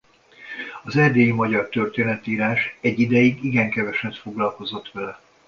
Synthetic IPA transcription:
ɒzɛrd̪eːjimɒɟɒrt̪ø̞rt̪eːnɛt̪iːɾaːʃɛɟːid̪ɛjiɡiɡɛŋkɛvɛʃɛt̪fo̞ɡlɒlko̞zo̞t̪ʋɛlɛ

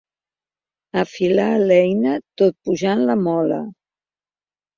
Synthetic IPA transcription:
əfilaːlɛjnət̪ot̪̚puʒanləmɔlə̰

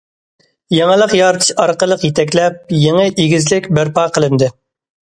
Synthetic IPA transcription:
jɑɴəlˠəqjɑɾt̪ʰɨ̥ʃɑɾqəlˠəqjet̪ɛk̬ʲlɛp̚jeŋəʔiɡʲɪzlɪkʲbæɾpɑqəlˠɨnd̪ɪ

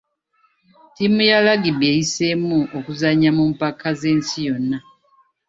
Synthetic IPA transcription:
timujalaɡibejisemuʔokuzaɲamumpakʰaze̞ːnsijo̞nːa

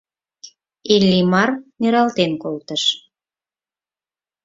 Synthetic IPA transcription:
elʲːimɑrneɾɑlt̪enkolt̪əʃ

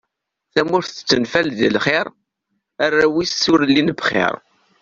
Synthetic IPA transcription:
θæmʊɾθət͡sːənfælðəlχɪɾ | ærːæwisːʊɾlːinəbχɪ̰ɾˤ

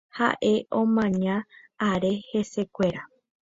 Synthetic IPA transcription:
ha̰ʔe̞ʔõmãɲãː | ɾe̞he̞se̞kʷe̞ɾa

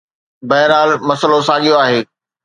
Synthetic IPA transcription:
bɐːɪɾaːlmɐsəlosaːɠijoaːɦeː

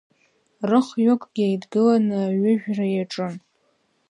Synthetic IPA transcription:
rɨχɥokʼɡ̥ʲajdɡɨlanɨaɥɪʒᶣrajaʈ͡ʂʼɨn

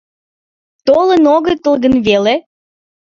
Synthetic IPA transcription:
t̪olənoɣə̆jt̪əlˠɣənβele

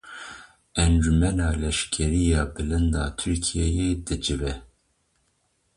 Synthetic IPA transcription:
ɛnd͡ʒumɛnɑːlɛʃkʰɛɾijɑːbɨlɨnd̪ɑːt̪ʰyɾkʰijɛjeːd̪ɨd͡ʒɨvɛ

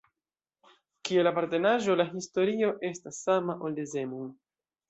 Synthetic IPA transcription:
kie̞lapaɾte̞naʒo̞laɦisto̞ɾio̞ʔe̞stasːamaʔo̞ldeze̞mun

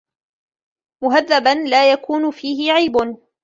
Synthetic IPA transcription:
mʊɦaðːabanlaːjakuːnʊfiːɦɪʕajbʊn

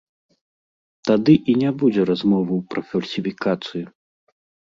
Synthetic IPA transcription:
t̪ad̪ɨʔinʲabud͡zʲɛɾazmɔvɐwpɾɐfɐlʲsʲifʲikat̪sɨju

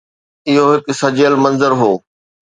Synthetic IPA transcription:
ɪɦoɦɪksɐd͡ʑəlmɐ̃nzəɾɦoː

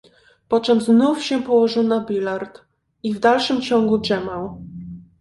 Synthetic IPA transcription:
pɔt͡ʂɛmznufɕɛpɔwɔʐɘwnabʲilaɾt̪ | ivd̪alʂɘmt͡ɕɔŋɡuʐɛmaw

